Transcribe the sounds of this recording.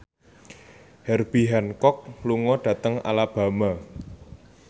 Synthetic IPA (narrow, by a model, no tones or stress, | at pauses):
hɛrb̥i̤ɦankɔk̚luŋɔɖ̥ä̤t̪əŋa̰lab̥a̤ma